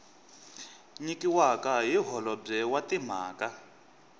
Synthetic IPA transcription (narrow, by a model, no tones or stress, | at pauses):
ɲikiwakaɦiɦɔlɔb͡ʐɛwatim̤aːka